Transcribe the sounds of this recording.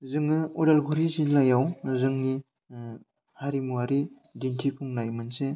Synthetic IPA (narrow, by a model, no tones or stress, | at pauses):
zɯŋɯudalɡuɾizinlajawzɯŋni | haɾimuaɾi | dintʰipʰuŋnajmɯnse